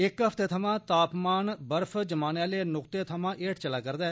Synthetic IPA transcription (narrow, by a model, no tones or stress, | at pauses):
ɪkɦəpʰt̪eːt̪ʰəmãːt̪aːpmaːnbəɾpʰd͡ʒəmaːnãːleːnʊkt̪eːt̪ʰəmãːʔeːʈʰt͡ʃəlaːkəɾd̪ɛː